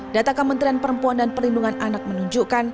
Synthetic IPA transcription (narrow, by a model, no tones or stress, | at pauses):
dat̪akəmənt̪ɾianpəɾəmpuandanpərlinduŋananak̚mənuɲd͡ʒukan